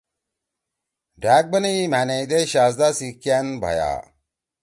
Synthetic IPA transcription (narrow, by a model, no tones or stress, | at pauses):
ɖaːk̚bɐneimaːnejd̪eɕaːsd̪asikjanbʱɐ̰ja̰